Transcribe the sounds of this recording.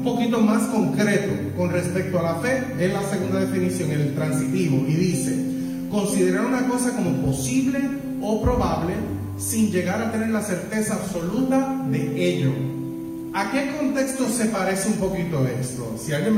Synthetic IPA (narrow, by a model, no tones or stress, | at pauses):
mpo̞kit̪o̞masko̞ŋkɾe̞t̪oko̞nre̞spe̞k̚t̪oalafe̞ | eslase̞ɣund̪aðe̞finisjoŋiðelt̪ɾansit̪iβoʔiðise̞ | ko̞nsiðe̞ɾaɾunako̞sako̞mo̞po̞siβle̞ | opɾo̞βaβle̞ | siŋd͡ʒe̞ɣaɾat̪e̞ne̞ɾlase̞ɾt̪e̞saːβso̞lut̪aðe̞eʎo̰ | ake̞ko̞nt̪e̞kst̪o̞se̞paɾe̞seumpo̞kit̪o̞e̞st̪o̰sialɡje